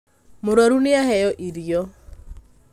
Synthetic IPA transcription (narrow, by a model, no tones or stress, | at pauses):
mʊɾwaɾunɪahɛjɔʔiɾijɔ